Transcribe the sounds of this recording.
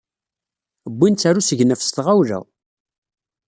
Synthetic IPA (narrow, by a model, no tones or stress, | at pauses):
əbʷːint͡sːaɾusəʝnəfst̪ʁawlæ̰